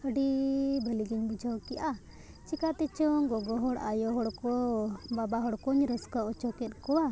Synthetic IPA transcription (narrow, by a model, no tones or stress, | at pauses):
əɖibʱəliɡiɲbud͡ʒʱəwkijʔa | t͡ʃikat̪ɛt͡ʃɔŋɡɔɡɔɦɔɽajɔɦɔɽkɔbabaɦɔɽkɔɲɾɔskaɔt͡ʃɔkɛt̪̚ˀkɔwa